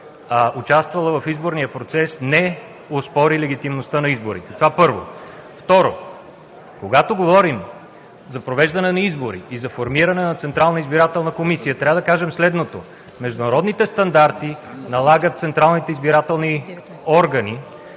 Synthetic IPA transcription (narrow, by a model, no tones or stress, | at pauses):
ʔʊt͡ʃast̪vɐlˠəvɐfizboɾnijəpɾot̪sɛsnɛ | ospɔɾilɛɡ̟it̪imnost̪ənɐizboɾit̪ɛ̥t̪ovapɤɾvo̰ft̪ɔɾo | koɡat̪oɡovɔɾim | zɐpɾovɛʒd̪ɐnɛnɐizboɾḭizɐfoɾmiɾɐnɛnɐt̪sɛnt̪ɾalˠnəizbiɾat̪ɛlˠnɐkomisijət̪ɾʲavəd̪ɐkaʒɛmslɛd̪not̪o | mɛʒd̪ʊnɐɾɔd̪nit̪ɛst̪ɐnd̪aɾt̪i | nɐlˠaɡət̪t̪sɛnt̪ɾalˠnit̪ɛizbiɾat̪ɛlˠni | ɔɾɡɐni